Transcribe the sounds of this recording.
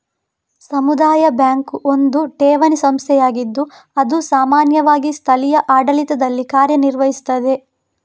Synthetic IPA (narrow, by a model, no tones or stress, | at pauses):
sɐmud̪aːjɐbjaːŋkuʔo̞nd̪uʈɛːʋɐnisɐmst̪ʰɛjaːɡid̪ːu | ɐd̪usaːmaːnjɐʋaːɡist̪ʰɐlijɐʔaːɖɐlit̪ɐd̪ɐlːikaːɾjɐniɾʋɐɦist̪ːɐd̪e̞